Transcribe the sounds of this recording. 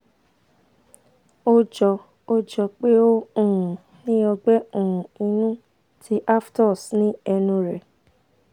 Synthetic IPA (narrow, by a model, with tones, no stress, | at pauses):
o˦d͡ʒɔ˧ | o˦d͡ʒɔ˧k͡pe˦o˦ũ˦˨ũ˨ | nĩ˦ɔ˧ɡ͡bɛ˦o˨ũ˨i˧nũ˦ | tʰi˦ʔa˦ftɔ˦˨snĩ˦ɛ˧nũ˧ɾɛ˨